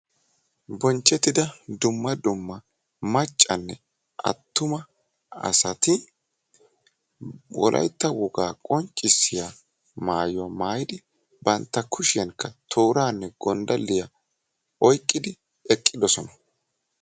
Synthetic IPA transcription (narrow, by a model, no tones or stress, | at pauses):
bɔnt͡ʃːɛt̪ːɪd̪ɐd̪ʊmːɐd̪ʊmːɐ | mɐt͡ʃʼːɐnːɛ | ʔɐ̰t̪ːʊmɐ | ɐ̰sɐt̪ɪ | wɔ̰lʔɐ̰jt̪ːɐwʊɡaːkʼɔnt͡ʃʼːɪsːɪja | maːjɔwamaːjɪd̪ɪ | bɐnt̪ːɐkʰʊʃɪjɐŋkːɐt̪ʰoːɾaːnːɛɡ̥ɔnd̪ɐlːɪjɐ | ɔjkʼːɪd̪ɪ | ɛkʼːɪd̪ɔsɔnɐ